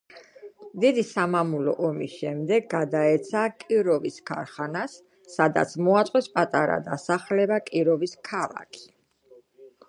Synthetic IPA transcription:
d̪id̪isamamulɔ̰ʔɔmisʃɛmd̪ɛɡɡːad̪aɛt̪sʰakʼiɾɔviskʰa̰ɾχanasː | ad̪a̰t̪sʰmɔat̪sʼqʼwɛspʼat̪ʼaɾa̰d̪a̰saχlɛbakʼiɾɔviskʰalˠa̰kʰi̥

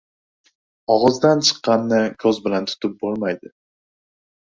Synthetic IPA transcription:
ɒʁɨzd̪ant͡ʃʰɨ̥qːɑnːɪkʰɵzbɪlant̪ʰʊ̥t̪ʰɪp̚bolˠmajd̪ɪ

